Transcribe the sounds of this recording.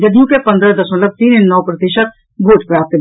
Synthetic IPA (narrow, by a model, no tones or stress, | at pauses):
d͡ʒəd̪ijõkepɐ̃nd̪ɾəd̪ɐsmət̪ləb̚t̪iːnɪnːɔːpɾət̪ɪʃət̪̚ | bʱoːʈpɾaːp̚t̪